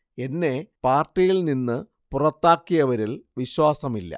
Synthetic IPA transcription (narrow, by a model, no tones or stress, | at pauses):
e̞nːe̞paːrʈːijilninːɨ | purɐt̪ːaːkːijɐʋɐɾilʋiɕwaːsɐmilːɐ̰